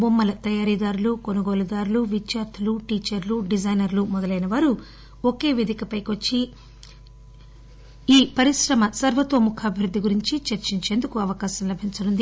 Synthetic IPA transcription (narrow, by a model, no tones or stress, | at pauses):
bomːɐlɐt̪ɐjaːɾiːd̪aːɾulukonɐɡoːlɐd̪aːɾuluʋit͡ʃjaːɾt̪ʰɐluʈiːt͡ʃɐɾluɖid͡ʒɐjnɐɾlumɔd̪ɐlɐjnɐʋaːɾu | oke̞ːʋed̪ʱikɐpɐjkiʋɐt͡ʃːi | iːpɐɾiʃɾɐmɐsɐɾʋɐt̪o̞ːmukʰaːbʱiɾud̪ːiɡuɾiɲt͡ʃit͡ʃeɾt͡ʃiɲt͡ʃeːnd̪ukuɐʋɐkaːʃɐmlɐbʱiɲt͡ʃɐnund̪i